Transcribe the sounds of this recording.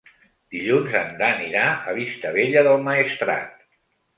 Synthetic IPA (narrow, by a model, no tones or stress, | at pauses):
d̪̥iʎunzənd̪aniɾaəβ̞ist̪əβeʎəðəlˠməist̪ɾa̰t̪̚